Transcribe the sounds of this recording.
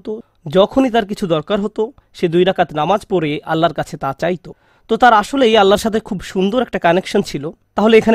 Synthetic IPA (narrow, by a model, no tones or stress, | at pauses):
t̪o | d͡ʑɔkʰonit̪aɾkit͡ɕʰud̪ɔɾkaɾɦot̪o | ʃed̪ujɾakat̪namad͡ʑpɔɾeʔalːaɾkat͡ɕʰet̪at͡ɕajt̪o | t̪ot̪aɾaʃolejalːaɾʃat̪ʰekʰubʃund̪oɾɛk̚ʈakanekʃont͡ɕʰilot̪aɦoleekʰan